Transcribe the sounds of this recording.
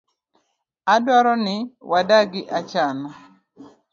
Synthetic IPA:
adwɔɾɔnɪwadaɡɪʔat͡ʃanɔ

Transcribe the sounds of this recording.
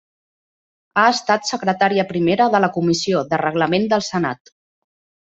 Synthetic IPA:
aəst̪at̪səkɾət̪aɾiəpɾimeɾəðələkumisioðərəɣləmend̪əlˠsəna̰t̪

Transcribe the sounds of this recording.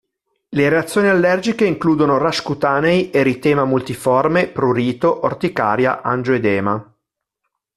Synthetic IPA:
leɾeat̪sːjoːnialːɛrd͡ʒikeiŋkluːd̪onoraskut̪aːnejʔeɾit̪ɛːmamult̪ifɔrmepɾuɾiːt̪oʔort̪ika̰ːɾja̰ʔand͡ʒoed̪ɛːma

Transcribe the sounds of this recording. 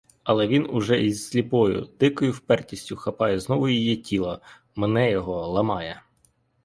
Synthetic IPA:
ɐlˠɛʋʲinʊʒɛizːʲlʲipɔjʊ̰d̪̥ɪkɔjʊwpɛrtʲisʲtʲʊxɐpɑjɛznɔʋʊjijitʲilˠɐ | menɛjɔɦɔlˠɐmɑjɛ

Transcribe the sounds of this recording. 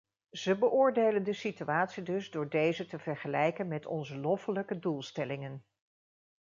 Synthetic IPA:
z̥əbəʔʊːɹdejləndəsityaːtsidɵzdʊːɹdejzətəvɛɹχəlɛjkənmɛtɔ̰nzəlɔfələkədulˠstɛlɪŋən

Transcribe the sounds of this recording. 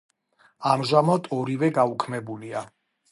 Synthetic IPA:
amʒamad̪ʰʼɔɾivɛɡaukʰmɛbulia

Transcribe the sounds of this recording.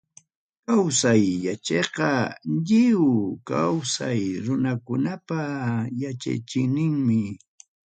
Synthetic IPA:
kawsajːat͡ʃeqɑʎɪwkawsajɾʊnakʊnapajat͡ʃa̰jt͡ʃɪŋnɪŋmɪ

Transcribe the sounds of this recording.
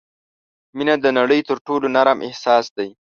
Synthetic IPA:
minad̪ənaɽəjt̪əɾʈolonaɾamʔɪ̰hsɑsd̪aj

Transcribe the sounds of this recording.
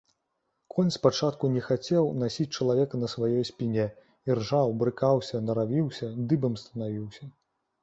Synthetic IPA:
kʰɔnʲspat͡ʂat̪kunʲɛxat͡sʲɛwnasʲit͡sʲt͡ʂɐlˠavʲɛkɐnɐsvajɔjsʲpʲinʲɛ | irʐawbɾɨkawsʲɐnɐɾavʲiwsʲɐd̪ɨbɐmst̪ɐnavʲiwsʲɐ

